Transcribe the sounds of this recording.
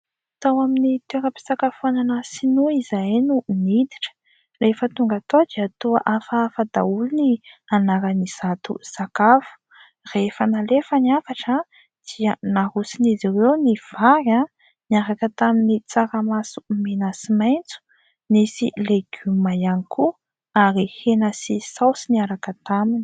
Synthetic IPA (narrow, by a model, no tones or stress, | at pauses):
t̪awaminit̪eɾəpi̥sakafuananasinuizajnunid̪iʈ͡ʂə̥ | lefət̪uŋɡat̪od̪iat̪ua̰ʔafafad̪aulunianaɾaniz̥at̪ṵsakafu̥ | refənalefəniafaʈ͡ʂə | d̪̥iənahusiniziwewniv̥aɾa | niaɾakət̪aminit͡saɾamasu̥menasimajnt͡su̥ | nisḭleɡ̥ymajanikʰu | aɾihenasisawsiniaɾakət̪amini̥